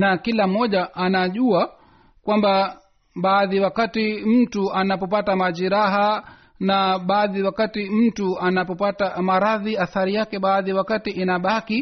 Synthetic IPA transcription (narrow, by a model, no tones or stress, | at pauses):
nakilam̩ːɔʄaʔanaʄua | kwamba | ɓaːðiwakatim̩tuanapɔpatamaʄiɾaɦa | naɓaːðiwakatim̩tuanapɔpatamaɾaðiaθaɾijakɛɓaːðiwakatiʔinaɓaki